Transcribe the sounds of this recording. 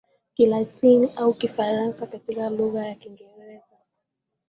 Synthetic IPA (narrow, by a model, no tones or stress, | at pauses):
kilatiniʔaukifaɾansakatikaluɣajakiŋɡɛɾɛza